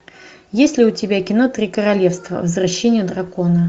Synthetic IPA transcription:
jesʲlʲɪʊtʲɪbʲakʲɪnot̪ɾʲikəɾalʲɛfst̪və̰vzraɕːenʲɪjəd̪ɾakonə

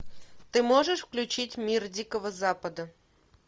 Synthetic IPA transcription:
t̪ɨmoʐəʂfklʲʉt͡ɕitʲmʲirdʲikəvəzapəd̪ə

